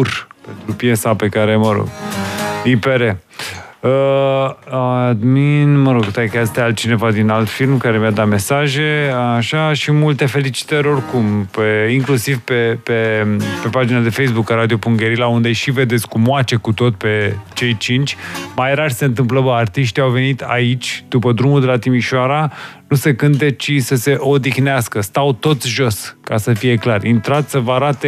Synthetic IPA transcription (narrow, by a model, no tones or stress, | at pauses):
rpent̪ɾupjesape̞kaɾe̞məɾo̞̰ɡ̥ | ipeɾe | ə | ad̪minməɾoɡt̪ajkast̪ealt͡ʃine̞vad̪inalt̪filmkaɾe̞mijad̪ame̞saʒe̞aʃaʃimult̪e̞fe̞lit͡ʃi̥t̪əɾʲo̞rkumpeiŋklusivpe̞pe̞pe̞pad͡ʒinad̪e̞fe̞jsbukaɾad̪iopuŋɡeɾilaund̪eʃived̪esʲkumoat͡ʃe̞kut̪o̞t̪ʲpe̞t͡ʃe̞jt͡ʃint͡ʃʲmajeɾarʲse̞ɨnt̪ɨmpləbəart̪iʃt̪iawve̞nit̪ʰa̰it͡ʃʲd̪upəd̪ɾumuld̪e̞lat̪imiʃoaɾanuse̞kɨnt̪e̞t͡ʃisəse̞ʔo̞d̪ixneaskəst̪awt̪o̞t̪sʲʒo̞skasəfije̞klarint̪ɾat̪ʲsəvaɾat̪e